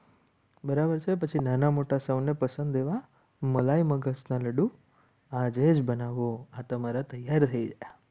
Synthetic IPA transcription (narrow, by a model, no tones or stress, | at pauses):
bəɾabəɾt͡ʃʰepət͡ʃʰinanamoʈasəʋnepəsənd̪eʋa | məlaiməɡəsnaləɽũ | ad͡ʒed͡ʒbənaʋoat̪əmaɾat̪əjaɾt̪ʰəid͡ʒaja